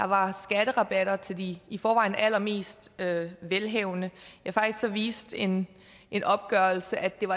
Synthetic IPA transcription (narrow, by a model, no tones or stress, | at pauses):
ɑ̈ʋɑ̈sɡ̥æɾ̥əʁɑ̈b̥æɾ̥ɐt͡sʰe̝ld̥iːfɒːʋɑ̈ɪn̩æl̰ɐme̝̰ːsd̥øʋelɦɛʊ̰nəjɑ̈fɑ̈ɡ̥d̥isɡ̥sɒ̽ʋḭːsd̥e̝n | ʔe̝nʔɒ̽b̥̚ɡ̥ɶɐl̩səʔæd̥e̝ʋɑ